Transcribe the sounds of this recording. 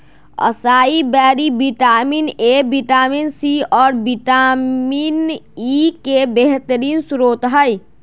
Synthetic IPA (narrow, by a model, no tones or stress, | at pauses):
ə̰saibɛɾibiʈaminebiʈaminsiɔːɾbiʈaminikebeɦt̪əɾiːnsɾot̪ɦəj